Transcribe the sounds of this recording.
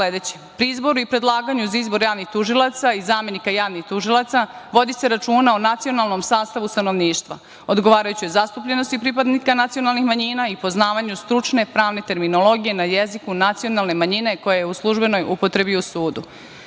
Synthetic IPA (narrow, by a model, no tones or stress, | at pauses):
sled̪et͡ɕe̥pɾiizbo̞ɾuipɾe̞d̪lˠaːɡaɲuzaizbo̞ɾjaːʋnixt̪uʒilˠat̪saizaːme̞nikajaːʋnixt̪uʒilˠat̪saʋo̞d̪ise̞ɾat͡ʃuːnaonat̪sio̞nalˠno̞msaːst̪aʋust̪ano̞ʋniːʃt̪ʋa̰ | o̞d̪ɡoʋaːɾajut͡ɕijezast̪upʎe̞no̞st̪ipɾip̬ad̪nikanat̪sijo̞nalˠnixmaɲiːnaipo̞znaːʋaɲust̪ɾut͡ʃne̞pɾaːʋne̞t̪e̞ɾminolˠo̞ɡije̞najezikunat̪sio̞nalˠne̞maɲine̞ko̞jajeuslˠuʒbe̞no̞jʔupo̞t̪ɾe̞biusuːd̪u